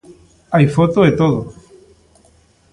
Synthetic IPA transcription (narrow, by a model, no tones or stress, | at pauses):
ajfot̪oet̪oðo